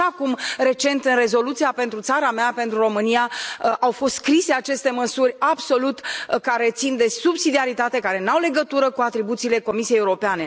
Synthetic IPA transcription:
akumɾe̞t͡ʃe̞nt̪ɨnre̞zo̞lut̪sijape̞nt̪ɾut̪saɾameape̞nt̪ɾuro̞mɨnijaʔawfo̞st̪skɾise̞at͡ʃe̞st̪e̞məsurʲabso̞lut̪kaɾe̞t̪sind̪e̞subsid̪iaɾit̪at̪e̞kaɾe̞nawle̞ɡət̪uɾəkuat̪ɾibut̪siːle̞ko̞misijejewuɾopeane̞

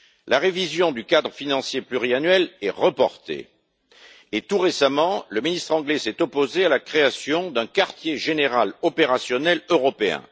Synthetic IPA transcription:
lʔaʁevizjɔ̃d̪ykad̪ʁəfinɑ̃sjeplyʁianɥɛlɛʁəpɔ̰ʁt̪ḛ | t̪uʁesamɑ̃ləminist̪χɑ̃ɡlɛsɛt̪ɔpozealakχeasjɔ̃d̪ɛ̃kaʁt̪jeʒeneʁalɔpeʁasjɔnɛløʁɔpeɛ̰̃

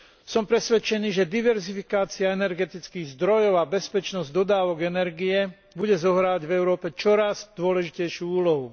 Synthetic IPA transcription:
sɔmpɾɛsʋɛt͡ʃɛniːʒɛd̪iʋɛɾzifikaːt͡siaɛnɛɾɡɛt̪it͡skiːɣzd̪ɾɔjɔʊabɛspɛt͡ʃnɔzɟd̪ɔd̪aːʋɔɡɛnɛɾɡijɛ | buɟɛzɔɦɾaːʋaɟvɛʊɾɔːpɛt͡ʃɔɾaz̥d̪̥ʊɔlɛʒicɛjʃuːuːlɔɦu

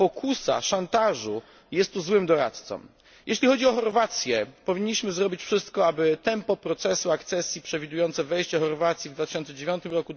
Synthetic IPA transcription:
pɔkʰusa̰ʂant̪aʐu | jɛst̪ːuzwɘmd̪ɔɾa̰t̪t̪sɔ̰m | jeɕlʲixɔd͡ʑiɔxɔɾvat̪sʲjɛpɔvʲiɲːiɕmɘzɾɔbʲit͡ɕfʂɘst̪kɔabɘt̪ɛmpɔpɾɔt̪sɛsuakt̪sɛsʲjipʂɛvʲid̪ujɔnt̪sɛvɛjɕt͡ɕɛxɔɾvat̪sʲjivd̪vat̪ɪ̥ɕɔnt̪ɛd͡ʑevʲjɔnt̪ɘmɾɔku

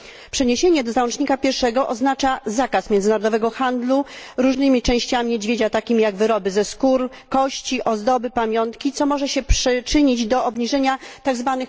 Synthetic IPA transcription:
pʂɛɲeɕeɲɛd̪ɔzawɔ̃nt͡ʂɲikapʲjɛɾʂɛɡɔʔɔznat͡ʂazakasmjɛnd̪ɘnaɾɔd̪ɔvɛɡɔxand̪luɾuʐnɘmʲit͡ʂɛ̃w̃ɕt͡ɕamʲid͡ʑvʲed͡ʑat̪akʲimʲijaɡvɘɾɔbɘzɛskuɾ | kɔɕt͡ɕiʔɔzd̪ɔbɘpamʲjɔnt̪kʲit̪sɔmɔʐɛɕɛpʂɛt͡ʂɘɲid͡ʑd̪ɔɔbɲiʐɛɲat̪aɡzvanɘx

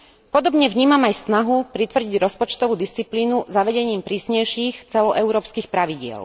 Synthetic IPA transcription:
pɔd̪ɔbɲɛvɲiːmamajsnaɦupɾit̪ʋr̩ɟiɟɾɔspɔt͡ʃt̪ɔʋuːd̪ist͡sipliːnuzaʋɛɟɛɲiːmpɾiːsɲɛjʃiːxt͡sɛlɔʔɛʊɾɔːpskiːxpɾaʋiɟɪɛ̰l

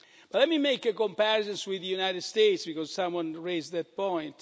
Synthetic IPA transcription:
b̥atlɛt̚mimejkəkɔ̃mpɛɾɪzɛ̃nswiðəjunajtɨdst̪eɪtsbikɔzsãmwʌ̃nɹeɪzðæt̚pɔ̃j̃nt

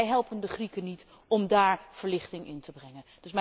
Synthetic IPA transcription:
jɦɛlˠpəndəχrikənit | ɔmdaːɹv̥əɹlɪχtɪŋɪ̰ntəbrɛŋənd̥ɵsmɛ

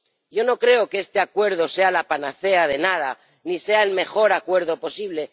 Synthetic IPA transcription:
ɟ͡ʝo̞no̞kɾe̞o̞keest̪e̞akwe̞ɾð̞o̞se̞alapanaθe̞að̞e̞nað̞a | nise̞aelme̞xo̞ɾakwe̞ɾðo̞po̞siβ̞le̞

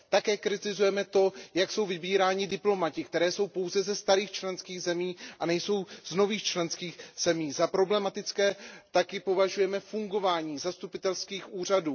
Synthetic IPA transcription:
t̪akɛːkɾɪt̪ɪzujɛmɛt̪o̞jakso̞wvɪbiːɾaːɲɪdɪplo̞macɪkt̪ɛɾɛːso̞wpo̞wzɛzɛst̪aɾiːxt͡ʃlɛnskiːɣzɛmiːʔanɛjso̞wzno̞viːxt͡ʃlɛnskiːxz̥ɛmiːzapɾo̞blɛmat̪ɪt͡skɛːt̪akɪpo̞vaʒujɛmɛfuŋɡo̞vaːɲiːzast̪upɪt̪ɛlskiːxʔuːr̝aduː

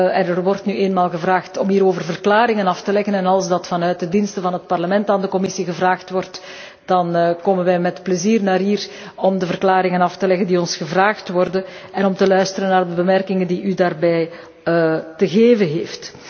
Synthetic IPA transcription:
ɛnɛrʋɔrtnyʔeːnmaːlˠɣəvraːxtɔmɦiːɾoːvərvərklaːɾɪŋənɑftəlɛɣənɛnɑlˠsdɑtfɑnœɥt̚dədinstəvɑnɦət̚pɑrləmɛntaːndəkɔmɪsiɣəvraːxtʋɔrt | d̥ɑnkoːmənʋɛjmɛtpləziːrnaːɾɦiːr | ɔmdəvərklaːɾɪŋənɑftəlɛɣəndiɔnsɣəvraːxtʋɔrdənɛnɔmtəlœɥstəɾənːaːrdəbəmɛrkɪŋəndiʔydaːrbɛj | təɣeːvənɦeːft

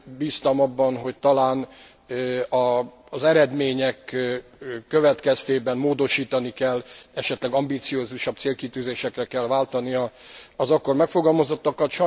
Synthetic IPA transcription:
biːst̪ɒmɒbːɒnɦo̞c̚t̪ɒlaːn | ɒ | zɛɾɛd̪meːɲɛkː | ø̞vɛt̪kɛst̪eːbɛnmoːd̪o̞ʃiːt̪ɒnikɛlːɛʃɛt̪lɛɡɒmbiːt̪sijoːzuʃɒb̚t̪seːlkit̪yːzeːʃɛkrɛkːɛlvaːlt̪ɒnijɒɒzɒkːo̞rmɛkfo̞ɡɒlmozo̞t̪ːɒkɒt̪ʃɒ

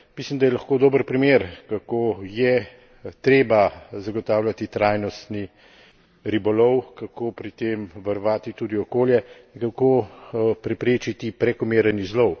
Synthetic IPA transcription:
mislimd̪ajɛlɐxkoːd̪oːbəɾpɾimeːɾkakoːjɛ | t̪ɾeːbazaɡɔt̪aːwljat̪it̪ɾaːjnɔst̪ni | ɾibɔlɔwkakoːpɾit̪emʋɐɾʋaːt̪it̪ud̪iɔkoːljɛiŋkakoːpɾɛpɾeːt͡ʃit̪ipɾɛkɔmeːɾənizlɔw

